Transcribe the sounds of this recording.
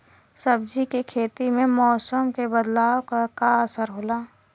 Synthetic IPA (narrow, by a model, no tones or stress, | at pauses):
səb̚d͡ʒikekʰeːt̪imẽmɔːsəmkebəd̪laːokakaəsəɾɦoːlaː